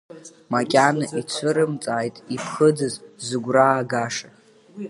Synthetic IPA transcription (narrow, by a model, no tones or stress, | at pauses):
makʲʼanaʔit͡ɕʷʰɨɾɨmt͡sʼaːjtʼipʰχəd͡zɨzzɨɡʷraːɡaʂa